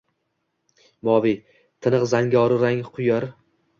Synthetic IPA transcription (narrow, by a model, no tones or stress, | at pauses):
mɒvi | t̪ʰɨnɨqzaŋɡʲɒɾɪɾaŋqʰʊjaɾ